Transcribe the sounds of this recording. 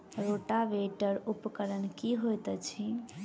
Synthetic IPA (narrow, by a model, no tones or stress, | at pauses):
ɾoʈaʋeʈəɾupkəɾənkiɦojt̪t͡ʃʰi